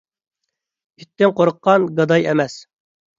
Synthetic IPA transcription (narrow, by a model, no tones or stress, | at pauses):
yt̪ʰːɪŋqoɾʊqːɑnɡɑd̪ɑjɛ̰mɛs